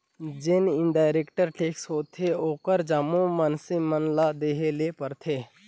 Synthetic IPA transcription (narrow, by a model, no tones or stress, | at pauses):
d͡ʒɪnɪnɖaːɪɾeːkʈəɾʈeːksɦoːt̪ʰeoːkəɾd͡ʒamõmənsemənlad̪eːɦelepəɾt̪ʰeː